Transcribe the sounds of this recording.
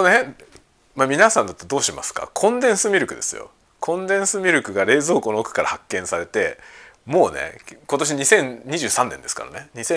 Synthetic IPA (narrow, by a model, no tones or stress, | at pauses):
one | mamʲinasãnd̪at̪ːad̪o̞ːɕima̰sɨ̥ka̰kʰõ̞nd̪ẽ̞ɰ̃sɨmʲiɾɯ̟kɯ̟d̪e̞sɨ̰jo̰ | kʰõ̞nd̪ẽ̞ɰ̃sɨmʲiɾʲɯ̟kɯ̟ɡaɾe̞ːzo̞ːkoːnookɯ̥kaɾahakːẽɰ̃saɾe̞t̪e̞mo̞ːne̞̰ko̞t̪o̞ɕ̬iɲ̟isẽ̞ɲɲiʑɨːsãnːend̪e̞sɨ̥ka̰ɾa̰neɲ̟isẽ